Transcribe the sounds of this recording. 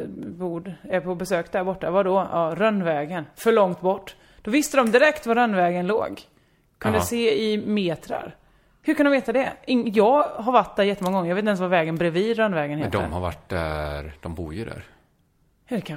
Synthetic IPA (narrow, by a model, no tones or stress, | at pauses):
buːɖɛɾpʰɔbɛsøːkd̪æɾbɔʈːavad̪ɔɑːɾœnːvɛːɡənfœɭɔŋt̪bɔʈː | d̪̥ɔvɪst̪əd̪ɔmd̪ɪɾɛkt̪vaɾœnːvɛːɡənlo̰ːɡ | kʰɵnd̪əseːɪmeːt̪ʰɾa̰ɾ | hʉɾkʰand̪ɔmveːt̪ad̪ɛɪŋːjɑːɡɦaɾvaʈ̚d̪æɾjɛt̪ːəmɔŋːɡɔŋːɾjɑveːɛnsvaɾvɛːɡənbɾɛviːd̪ɾœnːvɛːɡənhet̪d̪ɔmha̰ɾva̰ʈd̪æ̰ɾd̪̥ɔmbuːɾjɵd̪æ̰ɾ | d̪ɛkʰa